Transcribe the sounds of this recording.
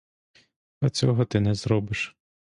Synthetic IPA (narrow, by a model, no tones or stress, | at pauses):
ɐt͡sʲɔɦɔt̪ɪnɛzɾɔbɪʃ